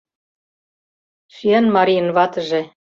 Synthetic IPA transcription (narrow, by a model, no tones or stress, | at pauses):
ʃyænmɑɾijə̆nβɑt̪ɤ̆ʒĕ